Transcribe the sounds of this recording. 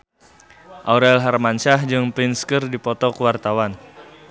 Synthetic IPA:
ʔaɾɛlɦarmanʃahd͡ʒɨŋplɪnskərdipɔt̪ɔkəwart̪awan

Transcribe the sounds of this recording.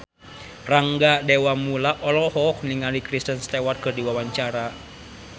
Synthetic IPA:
raŋɡadɛwamulaʔɔlɔhɔk̚niŋalikɾist̪ənst̪ɛwat̪̚kɨrdiwawaɲt͡ʃaɾa

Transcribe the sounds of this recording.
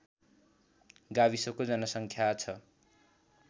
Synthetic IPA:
ɡabisokod͡zʌnʌsʌŋkʰjat͡sʰʌ

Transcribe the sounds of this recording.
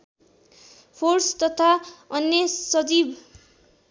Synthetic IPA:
pʰorst̪ʌt̪ʰaʌnjesʌd͡zib

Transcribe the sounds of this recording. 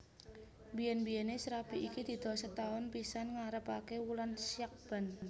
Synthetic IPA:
mbijɛnbijɛnesɾapiʔikid̪̥i̤d̪̥ɔ̤sət̪aʊnpisanŋaɾəpakewulansiak̚b̥a̤n

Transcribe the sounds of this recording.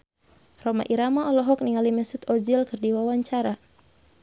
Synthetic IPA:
rɔma̰ʔiɾamaɔlɔɦɔk̚niŋalimɛsut̪ɔd͡ʒilkɨrdiwawaɲt͡ʃaɾa

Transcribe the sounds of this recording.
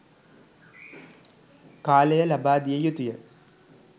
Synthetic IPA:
kaːlɐjɐlɐbaːd̪ijɐjut̪ːijɐ

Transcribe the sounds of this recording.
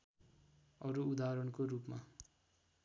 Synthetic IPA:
ʌɾuud̪aɾʌɽkoɾupma

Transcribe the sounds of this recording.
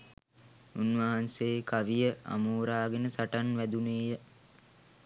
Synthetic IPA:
unʋaɦanseːkaʋijəa̰muːɾaːɡenəsaʈanʋæd̪uneːjə

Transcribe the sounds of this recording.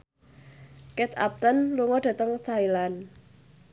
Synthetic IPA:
kɛt̪a̰p̚t̪ənluŋɔd̥ä̤t̪əŋt̪ʰailan

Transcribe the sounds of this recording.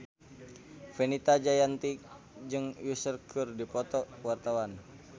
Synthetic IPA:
fenit̪ad͡ʒajant̪i | d͡ʒɨŋusərkʰurdipɔt̪ɔwart̪awan

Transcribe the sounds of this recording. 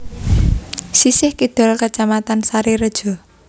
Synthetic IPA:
sisɪhkid̪̥ɔ̤lkət͡ʃamat̪ansaɾiɾəd̥ʒ̥ɔ̤

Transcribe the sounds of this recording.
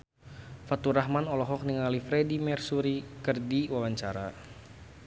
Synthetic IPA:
fat̪uɾaɦmanɔlɔɦɔk̚niŋalifɾɛdimɛrsuɾikɨrdiwawaɲt͡ʃaɾa

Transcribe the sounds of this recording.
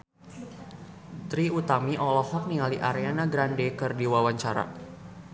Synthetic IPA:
t̪ɾiut̪amiʔɔlɔfɔk̚nialiʔaɾeanaɡɾandɛkɨrdiwawaɲt͡ʃaɾa̰

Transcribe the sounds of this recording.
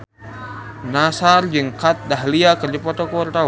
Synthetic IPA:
nasard͡ʒɨŋkat̪̚daɦliakərd͡ʒapɔt̪ɔkuart̪a

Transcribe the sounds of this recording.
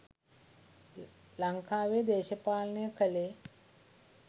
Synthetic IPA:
laŋkaːʋeːd̪eːʃəpaːlənəjəkʰəle

